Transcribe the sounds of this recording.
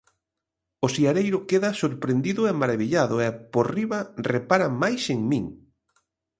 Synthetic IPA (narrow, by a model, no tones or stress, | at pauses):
ʊsiaɾejɾʊkeðɐsoɾpɾend̪iðʊemaɾaβiʎaðʊeporiβɐrepaɾamajseŋmĩŋ